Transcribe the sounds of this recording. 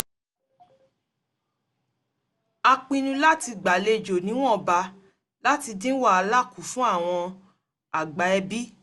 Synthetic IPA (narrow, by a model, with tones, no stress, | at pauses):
a˧k͡pĩ˧nũ˧la˦ti˧ɡ͡ba˨le˧˨d͡ʒo˨nĩ˨˦w̃ɔ̃˦˨ba˧ | la˦ti˧dĩ˦wa˦˨a˧la˦˨ku˨fũ˦a˦˨w̃ɔ̃˧ | a˨ɡ͡ba˨˦ɛ˧bi˦